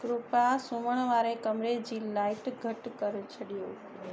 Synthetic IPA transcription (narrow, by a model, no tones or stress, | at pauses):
ɡɾupasuməɳ̃ʋaɾekəmɾed͡ʒilaiʈɡʱəʈkəɾt͡ʃʰəɽijo